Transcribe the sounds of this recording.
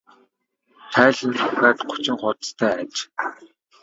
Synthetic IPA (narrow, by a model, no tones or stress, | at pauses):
t̪ʰæːɮĭnt͡sʰʊxaːt̪ɢʊ̥t͡ɕɪ̆ŋχʊt̪st̪ʰæːat͡ɕ